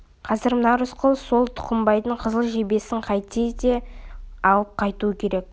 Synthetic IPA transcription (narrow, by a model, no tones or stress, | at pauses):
qʰɑzɪɾmənɑɾʊsqʰəlˠso̞lˠt̪ʰʊ̥qəmbɑjd̪əɴqʰəzəlˠʒebe̞sɪɴqʰɑjt̪ejd̪e̞ɑwəp̚qʰɑjt̪uəkʲʰe̞ɾe̞k̚